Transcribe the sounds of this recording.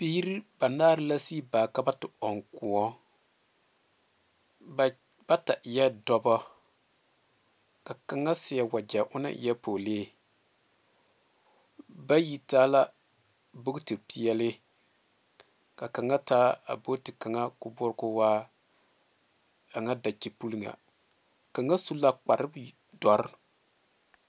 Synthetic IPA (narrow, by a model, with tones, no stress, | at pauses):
piː˦ɾi˦ba˨naː˦ɾɨ˦la˦si˦baː˨ka˦ba˦tɪ˨ɔ˨ŋku˨ɔ˦ | b̥a˦ta˨ʔjɛ˦dɔ˦bɔ˦ | ka˨ka˨ŋa˦sɪ˨ja˦˨wa˨d͡ʒa˨ʔʊ˦na̰˦ʔjɛ˦poː˨leː˦ | ba˦ji˨taː˦la˦ | bʊ˦ɡtɨ˨pi˨ɛ˦lɪ˦ | ka˨ka˨ŋa˦taː˦a̰˨bo˦tɨ˨ka˨ŋa˦kʊ˦bʊ˦ɾkʊ˦waː˦ | a˨ŋa˦da˨ki˨pu˦lŋa̰˨ | ka˨ŋa˦su˦la˦k͡pa˨ɾɪ˦b | dɔ˨ɾɪ˦˨